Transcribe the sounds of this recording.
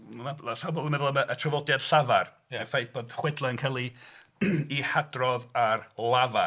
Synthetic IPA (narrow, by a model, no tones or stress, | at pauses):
nalaɬawbɔmɛðʊlˠəməʔətʰrəvɔdjad̥ɬavar | ɛfejθb̥oːdχwɛdlˠaənkʰalˠi | ihadrɔðarlˠava